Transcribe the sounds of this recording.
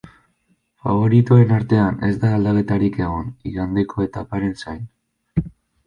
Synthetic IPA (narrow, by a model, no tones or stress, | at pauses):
fa̰βo̞ɾit̪uoe̞naɾt̪e̞ane̞zd̪aːld̪ake̞t̪aɾike̞ɣ̞o̞niɣand̪ekʰo̞e̞t̪apaɾe̞nsajn